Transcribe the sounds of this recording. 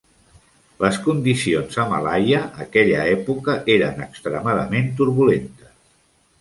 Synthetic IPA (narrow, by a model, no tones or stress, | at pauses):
ləskund̪isionzəma̰lajəʔːkɛʎəɛpukəʔeɾənəkst̪ɾəmaðəment̪uɾβulent̪əs